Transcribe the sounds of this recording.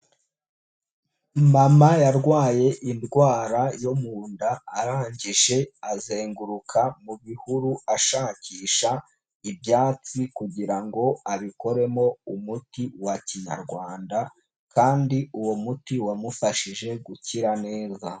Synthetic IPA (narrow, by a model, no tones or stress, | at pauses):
mamajaɾɡwaːje̞ʔindɡwaːɾajomuːndaːɾaːɲɟiʒe̞azeːŋɡuɾukʰamuβihuɾuaʃaːciːʃa | ibjaːt͡sikuɟiɾaŋɡo̞aβiko̞ɾe̞mo̞umutiwaciɲa̰ɾɡwaːnda | kaːndiuwo̞mutiwamufaʃiʒe̞ɡuciɾane̞ːza